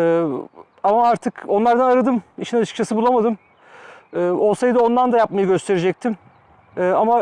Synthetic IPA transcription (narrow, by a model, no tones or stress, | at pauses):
ɛː | amaaɾt̪ʰɯko̞nlˠaɾd̪anaɾad̪ɯmiʃinat͡ʃʰɯ̥kt͡ʃʰasɯbulˠamad̪ɯm | ɛːo̞lˠsajɯd̪ɯo̞nd̪and̪ajap̚majɯɡɟø̞st̪ʰe̞ɾed͡ʒɛc̚t̪ʰim | ɛːama